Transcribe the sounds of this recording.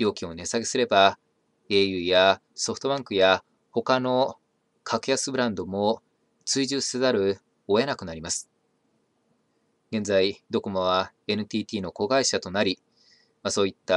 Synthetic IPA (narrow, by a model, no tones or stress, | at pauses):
jo̞ːkʲio̞ne̞saɡe̞sɨɾe̞ba | e̞ːjɯ̟ːja | so̞ɸ̟t̪o̞bãŋkɯ̟ja | ho̞kano̞ | kʰakɯ̟jasɨbɯ̟ɾãnd̪o̞mo̞ | t͡sɨiʑɨːsezaɾɯ̟ | o̞e̞nakɯ̟naɾʲimasɨ̥ | ɡ̥ẽ̞nd͡zaid̪o̞ko̞moβa | e̞nɯ̟t̪ʲiːt̪ʲiːno̞ko̞ɡaiɕat̪o̞naɾʲi | maso̞ːit̪ːa